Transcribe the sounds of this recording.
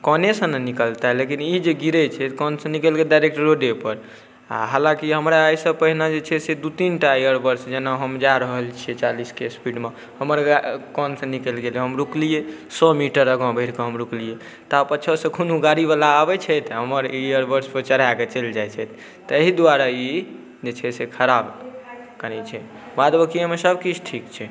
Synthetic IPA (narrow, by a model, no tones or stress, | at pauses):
kɔnesə̃nnikəlt̪aɦlekinid͡ʒeɡiɾət͡ʃʰɛt̪kɔnsə̃nikəlɡeɖajɾek̚ʈɾoɖepəɾ | a̰ɦalãkiɦəmɾaəjsə̃pəɦinad͡ʒet͡ʃʰɛsed̪ut̪inʈaijəɾbəɾsd͡ʒenaɦəmd͡ʒaɾəɦəlt͡ʃʰiet͡ʃaliskespiɖme | həməɾakɔnsə̃nikəlɡeleɦəmɾuklije | sɔmiʈəɾəɡãbʱəɪɾkəɦəmɾuklije | t̪apəːt͡ʃʰəsə̃kʰonuɡaɾibalaːbɛt͡ʃʰɛjt̪ɦəməɾijəɾbəɾspət͡ʃəɾ̤aket͡ʃəld͡ʒajt͡ʃʰɛt̪̚ʰ | t̪əɦid̪aɾai | d͡ʒet͡ʃʰɛsekʰəɾab | kəɾɛt͡ʃʰɛ | bad̪bəkiemesəbkit͡ʃʰʈʰikt͡ʃʰɛ